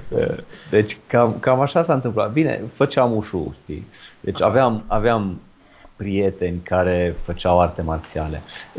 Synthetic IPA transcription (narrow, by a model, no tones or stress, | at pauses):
ə̰d̪e̞t͡ʃʲkamkamaʃasaɨnt̪ɨmplat̪̚bine̞̰fət͡ʃeamuʃṵʃt̪ḭd̪e̞t͡ʃʲa̰veamaveam | pɾije̞t̪e̞nʲkaɾe̞fət͡ʃawart̪e̞mart̪siale̞̰